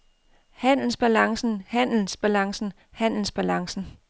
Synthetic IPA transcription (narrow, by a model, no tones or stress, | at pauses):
hæn̰l̩sb̥ælɑ̈ŋsn̩hæn̰l̩sb̥ælɑ̈ŋsn̩ | hæn̰l̩sb̥ælɑ̈ŋsn̩